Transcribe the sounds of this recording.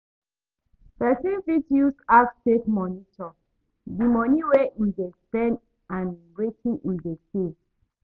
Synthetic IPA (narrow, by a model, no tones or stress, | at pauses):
pɛsĩnvidiusaftekmɔnitʰɔ | dimɔniweʔildestɛ̃n | ãn | ɹetʰĩʔildese